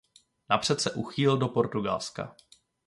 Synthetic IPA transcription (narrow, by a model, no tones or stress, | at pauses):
napr̝̥ɛt̪sɛʔuxiːldo̞po̞ɾt̪uɡa̰lska̰